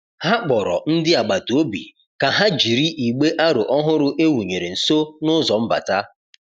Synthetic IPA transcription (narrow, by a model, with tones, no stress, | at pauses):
ha˦k͡pɔ˨ɾɔ̰˨n̩˦dɪ˦a˨ɡ͡ba˨to˦bḭ˨ | ka˨ɦa˦d͡ʒi˨ɾi˦ʔi˨ɡ͡be˦ʔa˦ɾʊ˨ʔɔ˦ɦʊ˦ɾʊ˦ʔe˦wu˨ɲe˨ɾe˨n̩˨so˦nʊ˦zɔ˨m̩˦ba̰˨ta˦